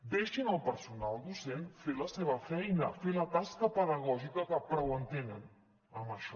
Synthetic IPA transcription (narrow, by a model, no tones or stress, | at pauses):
d̪eʃinəlˠpəɾsunalˠd̪usenfeləseβəfɛjnəfelət̪askəpəðəɣɔʒikəkəpɾɔwənt̪enən | əməʃɔ